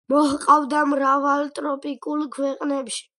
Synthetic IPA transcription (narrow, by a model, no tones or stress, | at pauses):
mɔhqʼavd̪amɾavalt̪ʼɾɔpʼikʼulˠkʰwɛqʼnɛpʃi̥